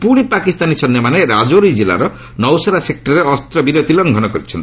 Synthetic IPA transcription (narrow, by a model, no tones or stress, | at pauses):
puɽ̃ipakist̪anisɔnjɔmaneɾad͡ʒoɾijd͡ʒila̰ɾɔ | nɔwsaɾasek̚ʈɔɾeɔst̪ɾɔbiɾot̪ilɔŋɡʱɔnɔkɔɾit͡ʃʰɔnt̪i